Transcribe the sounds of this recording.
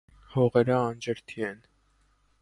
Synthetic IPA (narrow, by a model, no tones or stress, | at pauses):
hɔʁɛɾəɑnd͡ʒəɾt̪ʰiɛn